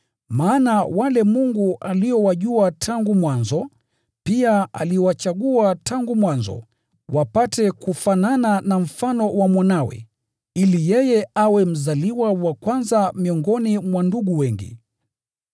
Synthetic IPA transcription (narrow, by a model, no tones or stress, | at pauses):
maːnawalɛmuŋɡuʔaliɔwaʄuatʰaŋɡumwanzɔ | piaa̰liɔwat͡ʃaɠuataŋɡumwanzɔ̰ | wʔapatɛkufanananam̩fanɔwamwanawɛ̰ | ilijɛjɛawɛm̩zaliwawakwanzamiɔŋɡɔnimwanduɠuwɛŋɡḭ